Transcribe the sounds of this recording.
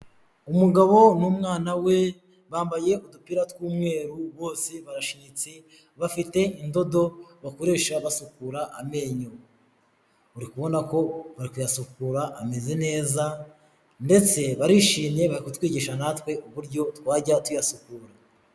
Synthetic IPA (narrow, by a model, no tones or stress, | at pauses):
umuɡaβo̞numŋaːnawe̞ | βaːmbaje̞udupiɾatwuːmŋe̞ːɾuβo̞ːseβaɾaʃiɲit͡si | βafite̞indo̞do̞βakoɾe̞ːʃaβasukuːɾaʔame̞ɲo | uɾikuβo̞nako̞βaɾikujasukuːɾaʔːme̞ze̞ne̞ːza | nde̞t͡se̞βaɾiʃiːɲe̞βaɾikutwiːɟiʃanatwe̞ʔuβuɾɟo̞twaːɟatwujasukuːɾa